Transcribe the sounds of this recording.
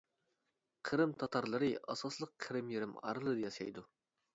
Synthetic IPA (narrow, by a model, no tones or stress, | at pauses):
qʰəɾɨmt̪ʰɑt̪ʰɑɾlˠɨɾɨɑsɑslˠəq̚ʰːəɾɨmjeɾɪmɑ̰ɾɨlˠɨd̪jɑʃɑ̰jd̪u